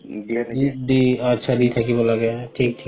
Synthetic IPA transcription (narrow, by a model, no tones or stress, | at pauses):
diətːʃʰadit̪ʰakibolaɡɛjaʈʰiːk̚ʈʰi